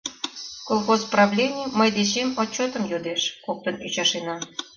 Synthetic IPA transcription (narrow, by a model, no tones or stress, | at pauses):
kolˠxozprɑβlʲenʲɪməjd̪et͡ɕemot͡ɕːot̪ə̆mjod̪eʃkok̚t̪ənyt͡ɕɑʃenɑ